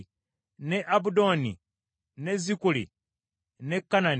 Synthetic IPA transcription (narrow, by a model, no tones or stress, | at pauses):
neʔabudonḭ | nezikulḭ | nekːanan